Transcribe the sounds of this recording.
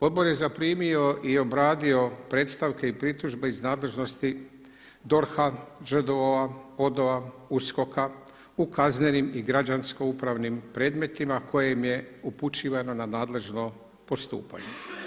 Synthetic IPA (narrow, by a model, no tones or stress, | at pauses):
o̞d̪bo̞ɾje̞zapɾiːmio̞ʔio̞bɾaːd̪io̞pɾe̞ːt̪st̪aʋke̞ipɾit̪uʒbe̞iznaːd̪le̞ʒno̞st̪i | d̪o̞ɾxaʒəd̪oao̞d̪o̞ʋausko̞ka | ukazne̞nimiɡɾad͡ʒansko̞upɾaʋnimpɾe̞ːd̪me̞t̪imakʰo̞jemje̞uput͡ʃiːʋano̞nanaːd̪le̞ʒno̞ | po̞st̪ṵːpa̰ɲe